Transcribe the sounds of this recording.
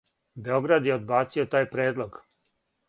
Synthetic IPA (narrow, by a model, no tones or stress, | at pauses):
be̞o̞ɡɾad̪jeod̪baːt̪sio̞t̪aːjpɾeːd̪lˠoɡ